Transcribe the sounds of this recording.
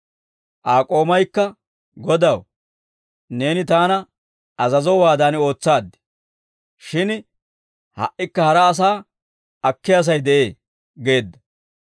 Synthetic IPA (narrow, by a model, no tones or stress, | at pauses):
ʔaːkʼo̞ːmɐjkːɐ | ɡɔd̪ɐw | ne̞ːnɪt̪aːnɐ | ɐzɐzɔwaːd̪aːnɪo̞ːt͡sːaːd̪ːɪ̥ | ʃɪn | hɐ̰ʔʔɪkːɐhɐɾɐːs̬aː | ɐkːɪjɐs̬ɐjd̪ɛʔe̞ː | ɡe̞ːd̪ːɐ̥